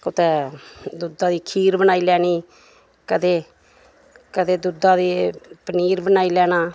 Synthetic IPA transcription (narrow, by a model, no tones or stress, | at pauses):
kʊt̪ɛːd̪ud̪aːd̪iːkʰiːɾbənaːiːlɛːniː | kəd̪eː | kəd̪eːd̪ud̪ãːd̪iːpəniːɾbənaːiːlɛːnaː